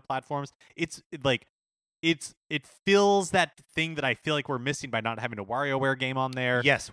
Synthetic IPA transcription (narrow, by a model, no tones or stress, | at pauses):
pʰl̥ætfɔɹmz̥ | ɨtslaɪk | ɪts | ɨtfɪlˠzðɨt̪̚θɪ̃ŋðɨɾaɪfilaɪkwɪɹmɪsɪ̃ŋbaɪnət̚hævɪ̃ŋəwɑɹioʊwɛɹɡẽɪ̃mə̃nðə˞jɛs